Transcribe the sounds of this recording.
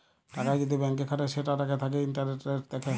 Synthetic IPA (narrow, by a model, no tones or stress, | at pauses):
ʈakajd͡ʑod̪ibɛŋkekʰaʈeʃeʈaʈaket̪ʰak̬einʈaɾneʈːeɾd̪ɛkʰe